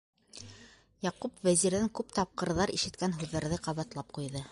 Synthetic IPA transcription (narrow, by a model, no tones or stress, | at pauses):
jɑqupvæziɾðæŋkʉpt̪ɑp̚qɤ̆ɾðɑɾḭʃɘ̆t̪̚kænɦʉðːæɾðɘqɑβɑt̪lˠɑp̚qujðɤ